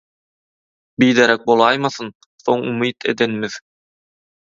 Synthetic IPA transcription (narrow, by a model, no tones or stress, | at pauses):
bijd̪eɾek̚bolˠɑjmɑθɯn | θo̞ŋṵmiːt̪ʰe̞̰d̪enmið̥